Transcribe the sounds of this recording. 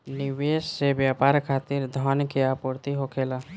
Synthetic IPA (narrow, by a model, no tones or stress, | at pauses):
nɪʋeːssebjaːpaːɾkʰaːt̪ɪɾd̪ʱaːnkeapuɾt̪iɦokʰeːla